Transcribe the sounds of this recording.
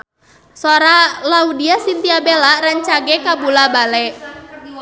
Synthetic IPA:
sɔɾalaudiasint̪iabɛlaɾaɲt͡ʃaɡɛkabulabalɛʔ

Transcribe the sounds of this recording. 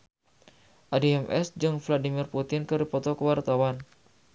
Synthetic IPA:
ʔadiɛmʔɛ̰sd͡ʒɨŋfladimirput̪ɪnkɨrɾipɔt̪ɔkəwart̪awan

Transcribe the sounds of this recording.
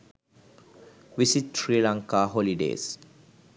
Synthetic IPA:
ʋisiʈsɾiːlãŋkaɦoliɖḛːs

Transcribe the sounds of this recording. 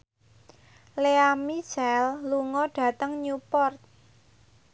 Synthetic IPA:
leamit͡ʃɛlluŋɔɖ̥ä̤t̪əŋɲupɔrt̪̚

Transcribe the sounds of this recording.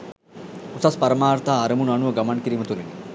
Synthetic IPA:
usaspɐɾɐmaːɾt̪aːɾəmunuɐnuʋəɡɐmankiɾiːmət̪uneni

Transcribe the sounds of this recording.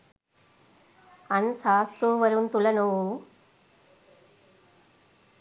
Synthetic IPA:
ɐnsaːst̪ɾuːʋɐɾɯnt̪ulɐnoː

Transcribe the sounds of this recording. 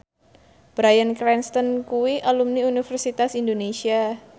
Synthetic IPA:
b̥ɾajənkɾɛnst̪ɔnkuwiʔalumniunifɛrsit̪asindonesia

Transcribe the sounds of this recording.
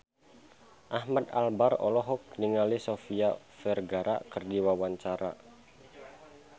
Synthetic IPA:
ʔahmad̪albarɔ̰lɔɦɔk̚niŋalisofia | fɛrɡaɾʔa̰kərdiwawaɲt͡ʃaɾa̰

